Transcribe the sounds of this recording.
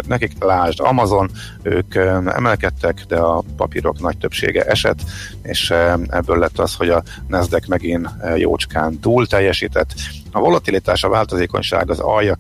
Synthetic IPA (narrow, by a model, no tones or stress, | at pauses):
nɛkiklaːʒd̪ɒ̰mɒzo̞n | øːkɛ̰mɛlkɛt̪ːɛkd̪ɛɒpɒ̰piɾo̞̰knɒc̚t̪ø̞pʃḛːɡɛ̰ʔɛʃɛ̰t̪ː | eːʃɛ̰bːøːlːɛt̪ːɒsho̞ɟɒ | nɛzd̪ɛkmɛɡinjo̰ːt͡ʃkaːnt̪uːlt̪ɛjːɛʃiːt̪ɛt̪ː | ɒvo̞lɒt̪ilit̪aːʃɒvaːlt̪ozeːko̞̰ɲʃa̰ːɡɒzɒjɒ